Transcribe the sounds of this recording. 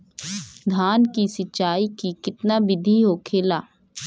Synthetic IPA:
d̪ʱaːnkiːsətt͡ʃʃaːiːkiːkɪt̪naːbɪd̪ʱiːɦoːkʰeːlaː

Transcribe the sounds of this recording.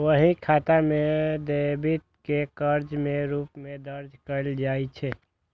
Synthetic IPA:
ʋəɦĩkʰaːt̪amẽd̪ebit̪̚kekəɾd͡ʒmẽɾuːpmẽd̪əɾd͡ʒkəld͡ʒaːit͡ʃʰɛ

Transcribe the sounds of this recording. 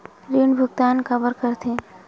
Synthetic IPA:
ɾiːɳbʱʊɡt̪aːnkəʋəɾkəɾt̪ʰẽ

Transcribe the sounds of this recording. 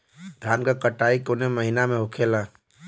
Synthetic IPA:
d̪ʱaːnkakəʈaːikonemɐɦinamẽɦʊkʰeːlaː

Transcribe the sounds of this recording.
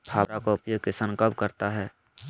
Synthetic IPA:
bʰaːbɾakoʊpjoːɡ̚kesə̃ŋkəlb̚kəɾt̪aɦɛː

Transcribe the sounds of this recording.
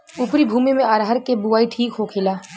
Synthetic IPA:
upɾibʱuːmimẽəɾɦəɾkebuaːiʈʰiːkɦokʰɪlaː

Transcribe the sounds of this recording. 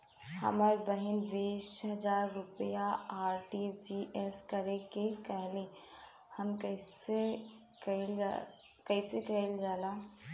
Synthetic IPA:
hə̰məɾbəɦinbisɦəd͡ʒaɾːupjaːɾʈiɾd͡ʒiʔeskəɾekekəɦle | həmkəse | kl | kəɪsekəld͡ʒaːla

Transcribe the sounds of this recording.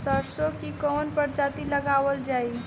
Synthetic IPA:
səɾsokikɔnpəɾd͡ʒat̪iləɡaʋəld͡ʒai

